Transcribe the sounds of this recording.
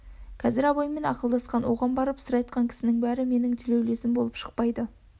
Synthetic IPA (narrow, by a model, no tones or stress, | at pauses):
kʲʰæzɪɾɑbɑjme̞nɑqəlˠd̪ɑsqɑnwo̞ʁɑnbɑɾəpsəɾɑjt̪qʰɑŋkʲʰɪ̥sɪnɪŋbæɾɪme̞nɪŋt̪ʰɪlewle̞sɪmbo̞lˠəpʃə̥q̚pɑjd̪ə